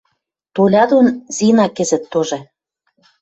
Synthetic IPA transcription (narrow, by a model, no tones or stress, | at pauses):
t̪olʲɑd̪onzinɑkɘ̆zɘ̆t̪ːoʒĕ